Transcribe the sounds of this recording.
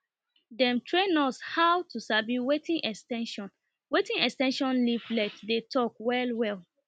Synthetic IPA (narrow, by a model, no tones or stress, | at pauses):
dɛ̃mtʰɹẽnɔshawtʰusabiwetĩnʔɛkstɛ̃nʃɔ̃n | wetĩŋɛkstɛ̃nʃɔ̃nliflɛtdetʰɔkwɛlwɛl